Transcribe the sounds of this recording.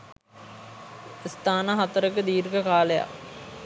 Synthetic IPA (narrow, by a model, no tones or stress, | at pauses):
st̪aːnaɦat̪əɾəkəd̪iːɾɡəkaːləja̰